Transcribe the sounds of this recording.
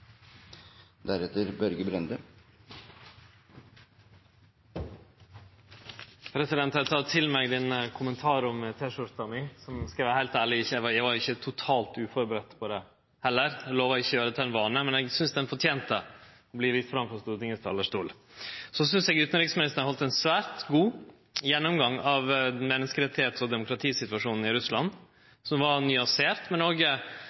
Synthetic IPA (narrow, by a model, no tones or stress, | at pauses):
d̪æɾɛt̪əɾbœɾɡəbɾɛnd̪ə | pʰɾɛsɪd̪ɛnt̪hɑt̪ʰɑt̪ʰɪlmɛɡd̪ɛnəkʰʊmənt̪ʰɑːɾɔmət̪ʰeːʂʊɾt̪ɑmɪsɔmskɾiːʋəhæɪlt̪æːɭɪɪçəɛʋɑjɛɡʋɑɾɪçːət̪ʰʊt̪ʰɑːlt̪ʉːfɔɾbəɾɛt̪pʰɔd̪ɛ | hɛlːəɾɛɡloːʋəɾɪçːɔjøːɾəd̪ɛt̪ʰɛnʋɑːnəmɛnɛɡsʏnsd̪ɛnfɔʈʰjeːnt̪ə̰ | ɔbliːʋɪst̪fɾɑmfɔst̪uːɾət̪ɪŋːəst̪ɑ̰lːəʂt̪uːlsɔsʏnsɛːɡʉːt̪nɾɪːɡsmɪnɪst̪əɑhɔlt̪ɛnsʋæːɾt̪ɡuː | jɛnːʊmɡɑŋːɑʋmɛnːəskəɾɛt̪ːɪheːt̪ɔd̪ɛmʊkɾɑt̪ʰiːsɪt̪ʋɑʂuːnn̩ɪɾʉslɑ̰nː | sɔmʋɑɾnʏɑnseːɾt̪mɛnoːɡ